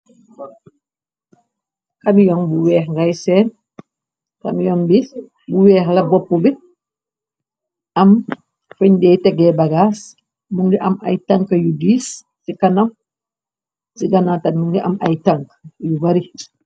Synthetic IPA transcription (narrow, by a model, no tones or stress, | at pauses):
kɐmjɔŋbuwɛːxŋɡajsɛːn | kɐmjɔnbis | buwɛːxlɐbɔpːubi | ʔɐm | fuɲdɛːtɛɡɛbaɡaːs | muŋɡɛʔɐmɐ̰jtɐŋkɐjudiːs | sikɐnɐm | siɡɐnatɐmmuŋɡɛʔamɐ̰jtaŋkjubɐɾi